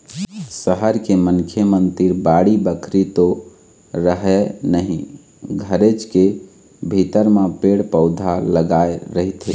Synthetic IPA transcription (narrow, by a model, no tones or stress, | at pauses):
səɦəɾkemənkʰjəmənt̪iɾbaɽibəkʰɾit̪o | ɾəɦɛnəɦi | ɡʱəɾet͡ʃke | bʱit̪əɾmepeɽpəʊd̪ʱaləɡaeɾəɦit̪ɦi